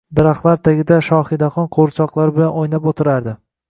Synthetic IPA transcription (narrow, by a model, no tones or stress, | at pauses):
d̪aɾaχlˠaɾt̪ʰaɡʲɪd̪aʃɒχɪd̪aχɒnqʰoɾt͡ʃʰɒqlˠaɾbɪlanojnapot̪ʰɪɾaɾd̪ɪ